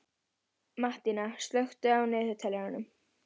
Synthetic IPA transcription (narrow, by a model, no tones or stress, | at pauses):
maht̪inast̪lœxt̪ʏawnɛːðʏt̪ʰɛlːaɾanʏm